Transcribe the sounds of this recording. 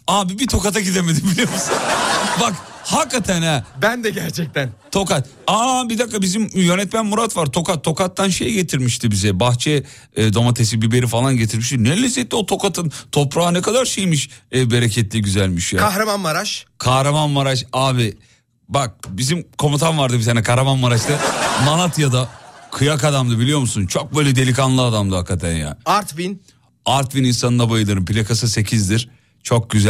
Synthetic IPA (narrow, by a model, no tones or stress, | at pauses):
aːbibit̪ʰo̞kat̪ʰacid̪emed̪imbilʲijoɾmusnbakhakːat̪ʰænɛbænd̪ɛɟæɾt͡ʃʰɛc̚t̪ænt̪ʰo̞kat̪̚ | abid̪akːabizimjønɛt̪mænmuɾat̪vaɾt̪ʰo̞katt̪ʰo̞kat̪ːanʃejɟe̞t̪ʰiɾmiʃt̪ʰibizɛbaxt͡ʃʰɛ | d̪o̞mat̪ʰes̬ibibe̞ɾifalˠanɟe̞t̪ʰiɾmiʃt̪inelʲisɛt̪ːʲɛo̞t̪ʰo̞kat̪ʰɯnt̪ʰo̞pɾaːnɛkad̪aɾʃejmiʃbe̞ɾecʰɛt̪lʲiɟyzælʲmiʃkʰaɦɾamanmaɾaʃkʰahɾamanmaɾaʃaːbi | bak̚bizimkʰo̞mut̪ʰanvaɾd̪ɯbit̪ʰaːnɛkʰaɦɾamanmaɾat͡ʃt̪ɯmanˠat̪jad̪akʰɯjakad̪amd̪ɯbilʲijo̞ɾmusunt͡ʃʰo̞k̚bøjlʲɛd̪e̞lʲikanlˠɯad̪amd̪ɯhakːat̪ʰænja̰ːaɾt̪bin | aɾt̪bininsanɯnd̪abajɯlˠɯɾɯmpilʲakasɯse̞cʰizd̪iɾ̥ | t͡ʃʰo̞k̚ɟyzæ